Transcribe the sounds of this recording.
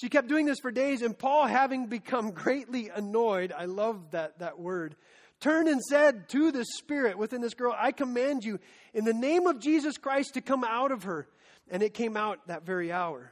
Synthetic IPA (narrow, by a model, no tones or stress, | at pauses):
ʃikɛp̚d̥ʉɪ̃ŋðɪsfə˞deɪzɨ̃npʰɔlˠɦævɪ̃ŋbɨkʰʌ̃mɡɹeɪtˡliɨnɔɪɾaɪlʌvðɨt̪̚ðɨt̚wɜ˞d̚ | tʰɜ̃˞ndɨ̃nsɛd̚tʰɨðɪspɪɹɨt̚wɨθɪ̃nðɪsɡ̥ɜ˞lˠa̰ɪkʰəmæ̃nd͡ʒɨ | ɨ̃nðɨnẽɪ̃mʌvd͡ʒizɨskʰɹ̥aɪstʰɨkʰʌ̃maʊɾʌv̥ə˞ | ɨ̃nɨt̚kʰẽɪ̃maʊt̪̚ðɨtvɛɹiaʊə˞